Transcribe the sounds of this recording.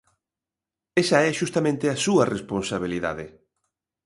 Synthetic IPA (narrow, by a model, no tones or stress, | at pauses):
esɐɛʃust̪amẽnt̪ɪasuɐresponsaβ̞iliða̰ðɪ